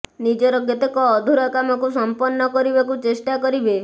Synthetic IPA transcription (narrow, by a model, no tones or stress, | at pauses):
nid͡ʒɔɾɔɡet̪ɔkɔːd̪ʱuɾɔkamɔkusɔmpɔnːɔkɔɾibakut͡ʃesʈakɔɾibe